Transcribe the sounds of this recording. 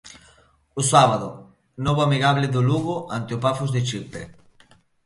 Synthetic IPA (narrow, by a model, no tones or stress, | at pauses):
ʊsaβaðʊ̰ | nɔβoamiɣaβlɪðʊluɣʊʔant̪eopafuzðet͡ʃipḛ